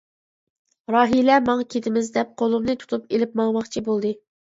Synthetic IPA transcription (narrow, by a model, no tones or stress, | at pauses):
ɾɑːɦilɛmɑŋkʲʰet̪ɪmɪzd̪ɛp̚qʰolˠumnɨt̪ʰu̥t̪ʰupelɪp̚mɑŋmɑχt͡ʃʰibolˠd̪ɨ